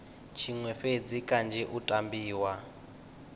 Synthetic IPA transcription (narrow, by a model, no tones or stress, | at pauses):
t͡ʃʰiŋwɛɸed͡zikʼand͡ʒʱɛʔutʼambiːwa